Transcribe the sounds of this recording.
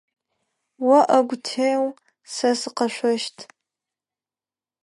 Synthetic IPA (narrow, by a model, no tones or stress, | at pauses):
wɐʔɐɡʷtʰejw | sɐsɨqɐʃʷɔʃtʰ